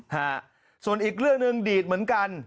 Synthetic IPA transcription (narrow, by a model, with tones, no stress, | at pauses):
haː˥˩ | su˨˩ənʔiː˨˩k̚ɾɯ˥˩əŋnɯ˧ŋdiː˨˩t̪̚mɯ˩˦ənka˧n